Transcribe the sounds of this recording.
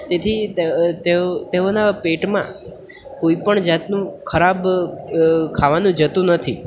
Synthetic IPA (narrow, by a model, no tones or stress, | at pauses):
t̪et̪ʰit̪et̪eonapeʈmã̰ | koipəɳd͡ʒat̪nũkʰəɾab | kʰaʋanũd͡ʒət̪ũnət̪ʰi